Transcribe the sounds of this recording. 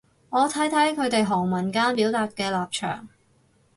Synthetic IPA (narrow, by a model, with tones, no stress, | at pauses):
ŋɔː˨˧t̪ʰɐ˨˥jt̪ʰɐ˨˥jkʰɵ˨˧ɥt̪e˨jɦɔː˨˩ŋmɐ˨˩nkaː˥npiː˨˥wt̪aː˧t̚kɛː˧laː˨p̚t͡ʃʰœ̰ː˨˩ŋ